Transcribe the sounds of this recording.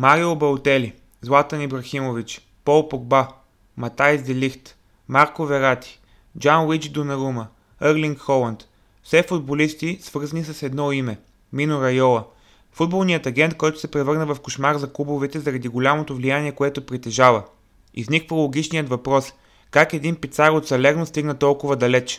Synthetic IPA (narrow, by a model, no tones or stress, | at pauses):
maɾiobɐʊt̪ɛli | zlˠat̪ɐnibɾɐximovit͡ʃ | pɔlˠpoɡ̚ba | mɐt̪ajzd̪ɛlixt̪ | maɾkovɛɾat̪i̥ | d͡ʒanwit͡ʃd̪onɐɾumə | əɾliŋkxɔlˠɐnt̪ | fsɛfud̪̚bolist̪isv̥ɤɾzɐnisɐsɛd̪nɔimɛ | minʊɾɐjɔlˠə | fud̪̚bolˠnijət̪ɐɡʲɛnt̪̚kɔjt̪ʊ̥sɛpɾɛvɤɾnəvɐfkoʃmaɾzɐklˠubovɛt̪ɛzɐɾɐd̪iɡolʲamot̪ovlijaniɛkoɛt̪opɾit̪ɛʒavə | ḭznikvəlˠoɡʲit͡ʃnijət̪vɐpɾɔs | kakɛd̪inpit̪saɾot̪sɛlɛɾnost̪iɡnət̪ɔlˠkʊvɐd̪ɐlɛt͡ʃ